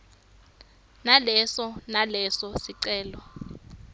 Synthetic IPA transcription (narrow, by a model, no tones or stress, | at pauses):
nalɛsɔnalɛsɔsiǀɛːlɔ